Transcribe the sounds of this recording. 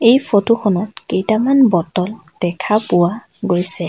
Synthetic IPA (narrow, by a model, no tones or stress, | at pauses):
ejfʰotukʰɔnɔtkejtamanbɔtɔl | d̥ɛkʰapʊwa | ɡojsɛ